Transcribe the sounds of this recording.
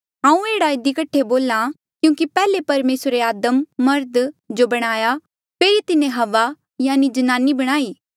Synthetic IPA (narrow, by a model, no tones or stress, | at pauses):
ɦãːũeːɽaɪd̪ikɐʈʰːeboːlã | kjũːkipɛːlepɐɾmeːsɾeaːd̪əmːɐɾd̪d͡ʒobɐɽ̃aːja | pʰeːɾit̪ɪnẽɦɐʋa | jaːnid͡ʒɐnaːnibɐɽ̃aːiː